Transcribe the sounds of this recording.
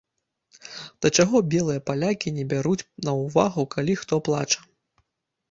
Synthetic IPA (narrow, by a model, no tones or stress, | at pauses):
d̪̥ɐt͡ʂaɣɔbʲɛlˠɨjɐpalʲakʲinʲɛbʲaɾut͡sʲnɐwvaɣukalʲixt̪ɔplˠa̰t͡ʂɐ̥